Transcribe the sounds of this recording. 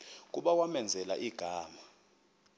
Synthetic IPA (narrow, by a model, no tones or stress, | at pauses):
k̬ʼuɓawamɛnd͡zʱɛla̰ʔiɡ̥ʱaːma